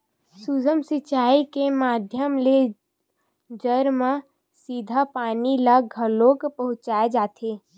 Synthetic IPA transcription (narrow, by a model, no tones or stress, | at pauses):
sud͡ʒəmsɪt͡ʃaːikemaːd̪ʱjəmle | d͡ʒəɾmã | siːd̪ʱapaːnilaɡʱəlokpəɦʊ̃t͡ʃaːed͡ʒaːt̪ʰeː